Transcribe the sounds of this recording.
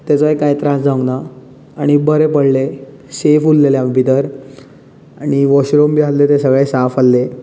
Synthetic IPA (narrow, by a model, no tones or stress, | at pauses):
t̪at͡sʋəjkajt̪ɾãsd͡zaə̃ɡna | aɽ̃ibəɾepəɽle | sefullelambʱit̪əɾ | aɽ̃iʋɔɕɾombiɦat̪let̪esəɡɭẽsafalːe